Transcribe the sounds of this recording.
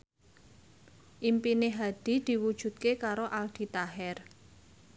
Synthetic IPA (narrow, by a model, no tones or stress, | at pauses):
ʔimpineɦad̪̥i̤d̪̥i̤wud̥ʒ̥ṳt̪̚kekaɾoʔald̪̥i̤t̪aɦɛr